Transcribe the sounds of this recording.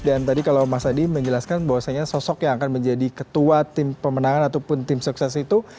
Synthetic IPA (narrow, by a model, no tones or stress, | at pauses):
dant̪adikalawmasadiməɲd͡ʒəlaskanbawasaɲasɔsɔkjaŋakanməɲd͡ʒadikət̪uat̪ɪmpəmənaŋanat̪awpʊnt̪ɪmsuksɛsit̪u